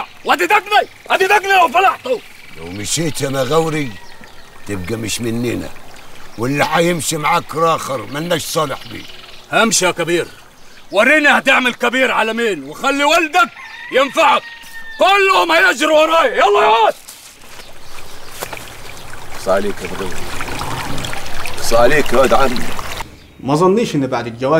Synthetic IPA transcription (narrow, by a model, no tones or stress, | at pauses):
ʕwad̪id̪aɡla | ʔad̪id̪aɡlalafɑlɑħt̪u | la̰wmɪʃiːt̪anaɣawɾi | t̪ɪb̚ɡamɪʃmɪnːɪna̰wɪlːaħajɪmʃimaʕakɾˤɑːxɪɾmanːaʃsˤɑːlɪ̰ħbḭːhamʃiakabiːɾ | wɑɾˤiːnihat̪ɪʕmalkabiːɾʕalamiːnwɪxalːiwald̪ak̚jɪnfaʕak̚ːʊlːhʊmhajad͡ʒɾwɑɾˤɑːjajɑlˤːɑjaːt̪ | sˤɑːliːkab̪ɾḛ | sˤɑːliːkɾad̪ʕami | mɑzˤɑnːiːʃʔɪnːibaʕd̪ɪld͡ʒawaː